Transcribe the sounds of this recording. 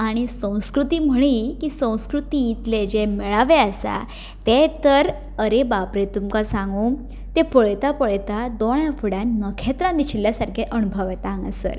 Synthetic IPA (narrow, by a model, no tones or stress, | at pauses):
aɽ̃isə̃w̃skɾut̪iːm̤əɽ̃ikiːsə̃w̃skɾut̪iːt̪led͡ʑemeɭaʋeasa̰ | t̪et̪əɾ | əɾebapɾet̪umkasãŋɡuː | t̪epəɭt̪apəɭt̪ad̪oɽ̃jãfuɽãnnəkʰɛt̪ɾãnd̪iɕiljasaɾkʰeʔənubʱəʋet̪ãŋɡasə̰ɾ